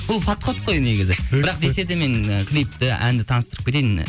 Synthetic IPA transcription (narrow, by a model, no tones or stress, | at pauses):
bʊlˠfɑt̪qʰot̪qʰo̞jneɡʲɪzɪbɪɾɑq̚d̪e̞se̞d̪eme̞ɴkʲʰlijp̚t̪ɪʔæ̰nd̪ɪt̪ʰɑnəst̪əɾəp̚kʰʲet̪ejn